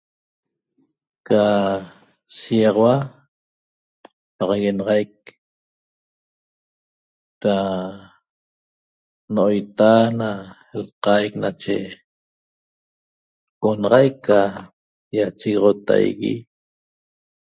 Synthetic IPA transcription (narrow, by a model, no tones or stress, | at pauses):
ka | siɑʁɑwa | pɑʁɑɣenɑʁɑjk̚ | ɾa | noʔojt̪ana | lqajknat͡ʃe | onɑʁɑjkːa | jat͡ʃiɣʁot̪a̰jɣḭ